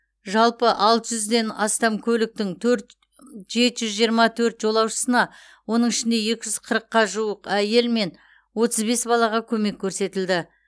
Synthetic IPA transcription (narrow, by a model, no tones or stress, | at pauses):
ʒɑlˠpəʔɑlˠt̪əʒʏzd̪e̞nɑst̪ɑmkʲʰɵlɪk̚t̪ɪŋt̪ʰɵɾt̪ | ʒe̞t̪ʒʏzʒijəɾmɑt̪ʰɵɾt̪ʒo̞lˠɑwʃə̥sənɑ | wo̞nəɴɪʃɪnd̪e̞jekʲɪʒʏz̥qʰəɾəqːɑʒuwəqæje̞lme̞n | wo̞t̪əzbe̞sbɑlˠɑʁɑkʲʰɵme̞kʲʰːɵɾse̞t̪ɪld̪ɪ